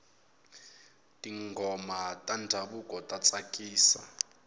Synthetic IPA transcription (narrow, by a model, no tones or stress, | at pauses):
tʼiŋɡʱɔmatʼandʱaɓukʼɔtʼat͡sʼakʼiːsa̰